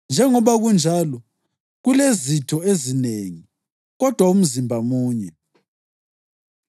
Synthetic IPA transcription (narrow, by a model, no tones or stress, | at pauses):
nd͡ʒʱɛŋɔβaɣund͡ʒʱalɔ | ɣulezitʰɔezineŋi | ɣɔd̥ʱwaum̩zimbʱamuːɲɛ